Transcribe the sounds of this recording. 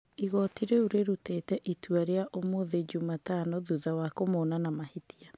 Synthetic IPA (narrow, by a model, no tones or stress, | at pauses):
iɣɔtiɾeuɾeɾutetɛʔitwaɾeaʔomoːðed͡ʒumatanoðuðawakomonanamahitia